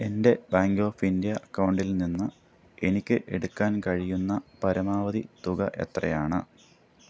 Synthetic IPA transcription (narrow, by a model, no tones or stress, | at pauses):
e̞nde̞baːŋɡo̞ːfindijɐɐkːɐwɳɖilninːɨ | e̞nikʲːɨʔe̞ɽukːaːnkɐɻijunːɐpɐɾɐmaːʋɐðḭt̪uɣɐ̰ʔe̞̰t̪rɐ̰jaːɳɨ